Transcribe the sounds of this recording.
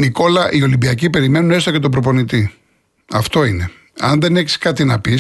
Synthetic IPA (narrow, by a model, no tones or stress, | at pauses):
niko̞lɐʔio̞limbiɐcipe̞ɾime̞nune̞st̪ocet̪o̞bɾopo̞nit̪i | ɐft̪o̞ine̞ | ɐnðe̞neçi̥skɐt̪inɐpi